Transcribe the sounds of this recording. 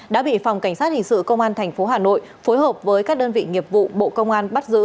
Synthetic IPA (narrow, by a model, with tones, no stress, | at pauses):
ɗa̰ː˧˥ɓḭ˧˨fa˨˩wŋ͡mka˧˩ŋ̟saː˦˥t̚hï˨˩ŋ̟sɨ̰˧˨kə˧wŋ͡mʔaː˧nt̪ʰɛ˨˩jŋ̟fo˨˦ɦaː˨˩no̰˧˨j | fo˨˦jɦəː˨˩p̚vəː˨˦jkaː˦˥k̚ɗəː˧nvḭ˧˨ŋi˨˩əp̚vṵ˧˨ɓo̰˧˨kə˧wŋ͡mʔaː˧nɓa˦˥t̚zɨ̰˧˥